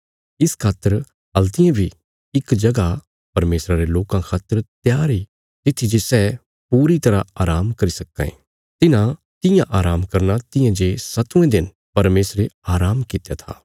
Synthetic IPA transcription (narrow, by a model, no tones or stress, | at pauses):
ɪskʰaːt̪əɾ | ɦɐlt̪ɪjãbʱi | ɪkd͡ʒɐɡa | pɐɾmeːsɾaɾeloːkãkʰaːt̪əɾt̪jaːɾi | t̪ɪt̪ʰːid͡ʒesɛ | puːɾit̪ɐɾaaːɾaːmkɐɾisɐkːã̰ḛ̃ | t̪ɪnã | t̪ɪjãʔaːɾaːmkɐɾnat̪ɪ̃jãd͡ʒeːsɐt̪ũẽd̪ɪn | pɐɾmeːsɾeaːɾaːmkɪt̪ejat̪ʰa̰ː